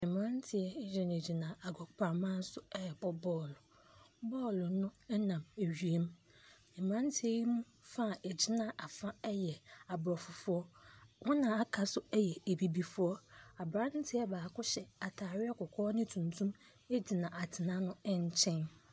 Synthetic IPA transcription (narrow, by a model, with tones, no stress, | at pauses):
ɪ̃˨m˨ã˦n˦tʰɪ˨ɛ˦d͡ʑᶣɪ̃˨ne˨d͡ʑi˨nã˨a˨ɡɔ˨pʰa˨mã˦n̩˦sʊ˦ɛ˦ɛ˨bɔ˦bɔː˦˨lʊ˨ | bɔː˦˨lʊ˨nʊ̃˦ɛ˦nã˨me˨ɥi˨e˦m˦ | ɪ̃˨m˨ã˦n˦tʰɪ˦ɛ˦ji˦mũ˦ | fa˦˨e˨d͡ʑi˨˦nã˦˨ʔa˨fã˦ɛ˦jɛ˨a˨bɾɔ˨fʊ˨fʊ˦ɔ˦wʔɔ˦nã˨a˦kʰa˨sʊ˦ɛ˦jɛ˨e˨bi˨bi˨fʊ˦ɔ˦a˨bɾã˦n̩˦tʰɪ˦ɛ˦baː˨kʊ˦ɕɛ˨a˨tʰaː˨ɾɪ˦a˦kʊ˨kʰɔː˦nɪ̃˦tʰũ˨ntʰũ˦m | e˦d͡ʑi˨nã˨ʔa˨tʰɪ˨nã˦nʊ̃˦ɛ˦ɲ˨t͡ɕʰɛ̃˦n